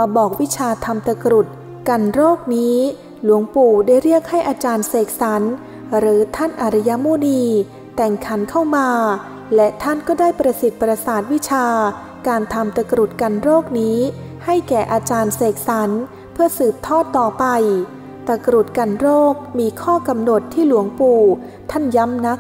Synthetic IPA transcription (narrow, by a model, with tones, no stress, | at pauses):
ma˧bɔː˨˩k̚wi˦˥t͡ɕʰaː˧t̪ʰa˧mt̪a˧kɾu˨˩t̪̚ | ka˧nɾoː˥˩k̚niː˦˥ | lu˨˩˦əŋpuː˨˩daː˥˩jɾi˥˩ək̚ha˥˩jʔaː˧t͡ɕaː˧nseː˨˩k̚sa˩˦n | ɾɯː˩˨˦t̪ʰa˥˩nʔaː˧ɾa˦˧˥ja˦˥moː˧niː˧ | t̪ɛ˨˩ŋkʰa˩˦nkʰa˥˩wmaː˧ | lɛ˦˥ʔt̪ʰa˥˩nkɔː˥˩daː˥˩jpɾa˧si˨˩t̪̚pɾa˧saː˨˩t̪̚wi˦˥t͡ɕʰaː˧ | kaː˧nt̪ʰa˧mt̪a˧kɾu˨˩t̪̚ka˧nɾoː˥˩k̚niː˦˥ | ha˥˩jkɛː˨˩ʔaː˧t͡ɕaː˧nseː˨˩k̚sa˩˦n | pʰɯ˥˩əsɯː˨˩p̚t̪ʰɔː˥˩t̪ːɔː˨˩pa˧j | t̪a˧kɾu˨˩t̪̚ka˧nɾoː˥˩k̚miː˧kʰɔː˥˩ka˧mno˨˩t̪ʰːiː˥˩lu˨˩˦əŋpuː˨˩ | t̪ʰa˥˩nja˦˥mna˦˥k̚